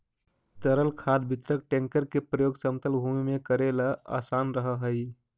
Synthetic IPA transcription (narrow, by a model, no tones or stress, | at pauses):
t̪əɾəlkʰad̪̚bʱit̪ɾək̚ʈẽŋkəɾkepɾəjoːɡsəmt̪əlbʱumimẽkəɾelaa̰sanɾəɦəɦəi